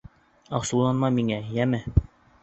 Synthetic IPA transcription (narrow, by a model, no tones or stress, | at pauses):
ɑqsulˠɑnmɑmiŋæjæmɘ